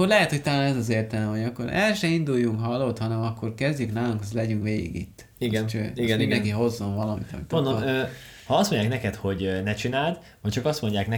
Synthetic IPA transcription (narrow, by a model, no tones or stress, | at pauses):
kːoɾlɛɦɛt̪ho̞ct̪ɒlaːnɛzɒzeːrt̪ɛlɛmɦoɟɒkːo̞ɾɛlʃɛind̪ujːuŋkɦɒlːo̞t̪hɒnɛmɒkːo̞rkɛzdɟyknaːluŋkɒzlɛɟyŋkʋeːɡḭɡḭt̪ː | iɡɛnt͡ʃøːiɡnmind̪ɛnŋkiɦo̞zːo̞ɱvɒlɒmḭt̪ɒ̰mit̪ond̪oø | hɒɒst̪mo̞ɲɟaːknɛkɛt̪ho̞ɟnɛt͡ʃinaːld̪ | hɒct͡ʃɒkɒst̪mo̞ɲɟaːknɛ